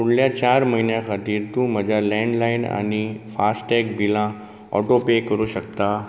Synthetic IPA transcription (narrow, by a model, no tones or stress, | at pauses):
uɽljat͡ɕaɾməɦinjãkʰat̪iːɾt̪ũməd͡ʑʱalɛ̃ɳɖlaina̰ñifasʈʈɛkbʱilã | ɔ̰ʈopekəɾuːɕəkt̪a